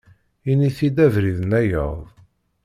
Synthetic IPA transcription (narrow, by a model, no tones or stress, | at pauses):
iniθid̪ævɾiðənæjə̰ðˤ